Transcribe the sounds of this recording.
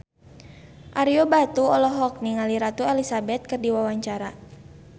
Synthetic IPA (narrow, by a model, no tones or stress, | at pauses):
ʔaɾiɔbat̪uɔlɔɦɔk̚niŋaliɾat̪uɛlisabɛt̪̚kɨrdiwawaɲt͡ʃaɾa